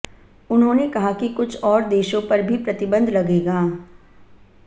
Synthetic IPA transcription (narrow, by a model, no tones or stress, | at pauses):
ʊnɦõːnekɐɦakikʊt͡ʃʰɔːɾd̪eːʃõpɐɾbʱipɾɐt̪ɪbə̃nd̪lɐɡeːɡaː